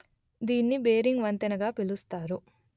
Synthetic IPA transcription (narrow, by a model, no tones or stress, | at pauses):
d̪iːnːibeːɾiŋɡʋɐnt̪ɐnɐɡaːpilust̪aːɾu